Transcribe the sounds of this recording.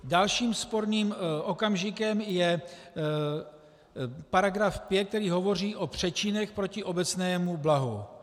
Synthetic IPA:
dalʃiːmspo̞ɾniːmʔo̞kamʒɪkɛmjɛ | paɾaɡɾafpjɛt̪̚k̚t̪ɛɾiːɦo̞vo̞r̝iːʔo̞pr̝̥ɛt͡ʃɪnɛxpɾo̞cɪʔo̞bɛt͡snɛːmublaɦu

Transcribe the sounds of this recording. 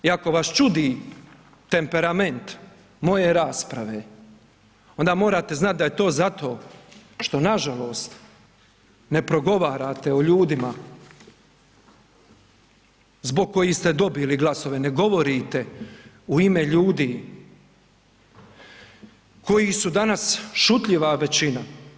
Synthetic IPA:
iako̞ʋast͡ʃud̪iː | t̪e̞mpe̞ɾame̞nt̪ | mo̞je̞ɾaːspɾaʋeː | o̞nd̪aːmo̞ːɾaːt̪e̞znat̪̚d̪aje̞t̪o̞ːzat̪o̞ːʃt̪o̞naʒalo̞ːst̪ | ne̞pɾo̞ɡo̞ʋaːɾaːt̪eoʎuːd̪ima | zbo̞ɡ̚kːo̞jist̪e̞d̪o̞biliɡlˠaso̞ʋe̞neɡo̞ʋo̞ɾit̪e | uimeʎuːd̪iː | ko̞jisud̪anasʃut̪ʎiʋaʋe̞t͡ɕina

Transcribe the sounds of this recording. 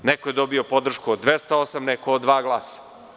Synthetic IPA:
nekoje̞d̪obio̞po̞d̪r̩ʃkuod̪ːʋest̪aosamnekood̪ʋaːɡlˠaːsḁ

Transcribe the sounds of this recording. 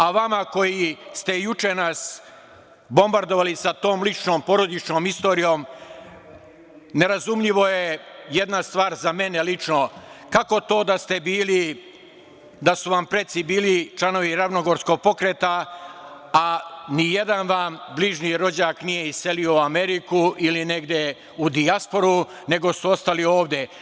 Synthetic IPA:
aʋamako̞jist̪e̞jut͡ʂenas | bo̞mbaɾd̪o̞ʋalisat̪o̞ːmlit͡ʃno̞ːmpo̞ɾo̞d̪it͡ʃno̞ːmist̪o̞ːɾijo̞ːm | ne̞ɾazumʎiʋo̞je̞jed̪nast̪ʋaːɾzame̞ne̞lit͡ʃno̞kako̞t̪o̞ːd̪ast̪e̞biːli | d̪asuʋampɾe̞t̪sibiːlit͡ʃlano̞ʋiɾaʋnoɡo̞ɾsko̞ɡ̚po̞kɾet̪a | anije̞d̪anʋaːmbliʒniɾo̞d͡ʑaːknije̞ise̞lio̞uame̞ɾikuʔiline̞ɡd̪je | ud̪iaspo̞ɾu | ne̞ɡo̞suo̞st̪alio̞ːʋd̪e̞

